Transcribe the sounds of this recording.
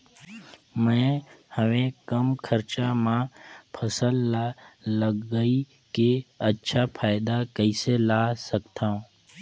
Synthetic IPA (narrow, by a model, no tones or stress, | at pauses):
mɛ̃ːhəʋẽkəmkʰəɾt͡ʃamãpʰəsəlːaləɡːəi | keətːʃʰapʰaːɪd̪akəiselaːsəkt̪aːũː